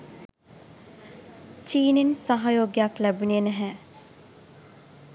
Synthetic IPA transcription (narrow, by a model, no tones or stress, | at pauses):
t͡ʃiːnensaɦajoːɡjaklæbunienæɦæː